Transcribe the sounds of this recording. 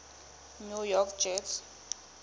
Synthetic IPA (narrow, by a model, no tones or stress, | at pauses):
nujɔkd͡ʒɛts